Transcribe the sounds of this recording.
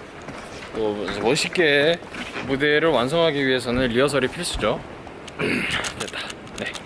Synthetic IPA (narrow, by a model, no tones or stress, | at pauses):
t͈omʌɕʰik͈e | mude̞ɾɯɭwans̬ʰʌŋɦaɡiɥiɦe̞s̬ʰʌnɯnɾiʌs̬ʰʌɾipʰiɭs͈ud͡ʑo | kɯɾet͈ḁ | ne̞